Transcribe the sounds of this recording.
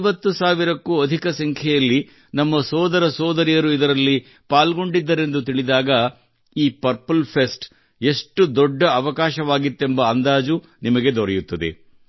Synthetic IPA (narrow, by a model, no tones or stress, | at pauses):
ʋɐt̪ːusaːʋiɾɐkːuːɐd̪ʱikɐsɐŋkʰɛjɐlːi | nɐmːɐsɔːd̪ɐɾɐsɔːd̪ɐɾijɐɾuid̪ɐɾɐlːi | paːlɡo̞ɳɖid̪ːɐɾe̞nd̪ut̪iɭid̪aːɡɐ | iːpɐɾpɐlpʰesʈ | e̞ʂʈud̪ɔɖːɐɐʋɐkaːʃɐʋaːɡit̪ːe̞mbɐːnd̪aːd͡ʒu | nimɐɡe̞d̪ɔɾɛjut̪ːɐd̪e̞̰